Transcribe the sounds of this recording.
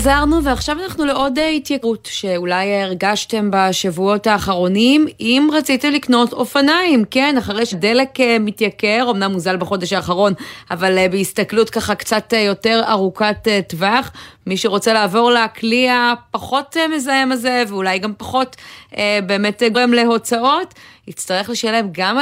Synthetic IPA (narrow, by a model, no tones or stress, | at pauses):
zaʁnuveaχʃavanaχnuleʔo̞dehitjakʁutʃe̞ulajːʁɡaʃte̞mbaʃavuo̞thaːχaʁo̞nimimʁat͡sitemlikno̞to̞fanaimke̞naχaʁejʃede̞le̞kemitjake̞ʁo̞mnamːuzalbeχo̞deʃaːχaʁo̞navalbeist̪aklutkaχakt͡satjo̞te̞ʁa̰ʁukatetvaχmiʃeʁo̞t͡se̞laːvo̞ʁlekliapaχo̞tmezaemalze̞veulajɡampaχo̞tebe̞ːmetɡemleɦo̞t͡sao̞tit͡staʁe̞χleʃelemɡam